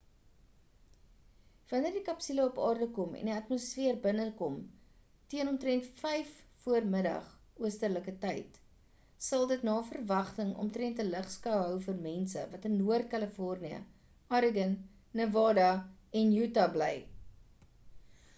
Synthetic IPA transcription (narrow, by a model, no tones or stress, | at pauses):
v̥ɐnərdikɐpsiləɔpɑːrdəkɔmɛ̰ndiɐtmosfiərbənəkɔm | tiənɔmtrɛntfɛjfːuərmədɐ̰χ | uəstərləkətɛjt | sɐlˠdətnɑːfərvɐχtəŋɔ̰mtɾɛntələχskɐwɦœwfərmɛnsə̰vɐtənːuərt̚kɐləfɔrniə̰ | ɑɾəɡənː | əvɑːdɐ | ɛnjutɐblɛj